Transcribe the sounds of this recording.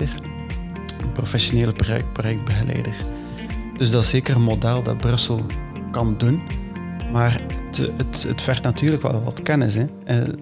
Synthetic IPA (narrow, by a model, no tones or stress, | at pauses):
ər | əprofɛsjoneːləpprojɛk̚t̚bəɣəlɛ̰ːdər | d̥ɵzdɑtɪseːkərəmodɛlˠdɑ̰t̚brɵsəlˠ | kɑndun | maːrətətə̰tfɛrtnatyːrləkʋɛ̰lˠʋɑ̰tkɛnɪsɛ | ɛ